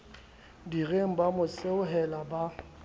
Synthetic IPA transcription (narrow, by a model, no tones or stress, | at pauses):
direŋ̩bamʊseʊɦɛlaba